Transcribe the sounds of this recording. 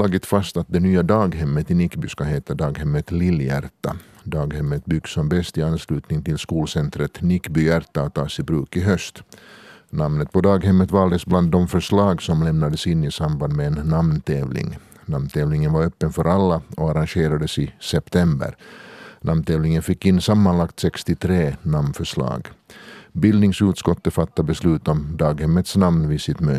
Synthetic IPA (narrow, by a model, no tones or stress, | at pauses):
lɑːɡɪt̪fast̪at̪̚d̪ɛnyːad̪ɑːɡɦɛmːət̪ɪnɪkːby̰ːskaheːt̪ad̪ɑːɡhɛmːət̪lɪljæ̰ɾt̪a̰ | d̪ɑːɡhɛmːət̪̚bʏɡsɔmbɛst̪ɪanslʉ̟ːt̪nɪŋt̪ɪlskuːlsɛnt̪ɾət̪nɪkːbyːæɾt̪at̪ʰːɑːsɪbɾʉːkɪɦœst̪ | namnət̪̚pʰɔd̪ɑːɡhɛmːət̪vɑːld̪əsbland̪ːɔmfœʂlɑːɡsɔmlɛmnad̪əsɪnːɪsamband̪mɛːnːamnt̪ʰeːvlɪ̰ŋ | namnt̪ʰɛːvlɪŋənvaɾœpːənfœɾʔalːaɔaɾaŋɕeːɾad̪əsɪsɛpt̪ʰɛmbə̰ɾnʔamnt̪ʰɛːvlɪŋənfɪkːɪnːsamːanlakt̪sɛkst̪ɪt̪ʰɾeːnamnfœʂlɑ̰ːɡ | bɪld̪ɪŋsʉːt̪skɔt̪ːəfat̪ːabɛslʉ̟ːt̪ɔmd̪ɑːɡhɛmːət̪snamnvɪsɪt̪møː